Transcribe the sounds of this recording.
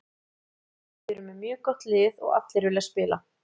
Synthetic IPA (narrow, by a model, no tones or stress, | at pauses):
fɪɾʏmːɛmjœːkɔht̪lɪːðɔ̰ɣa̰t̪lɪɾvɪlɛspɪːla̰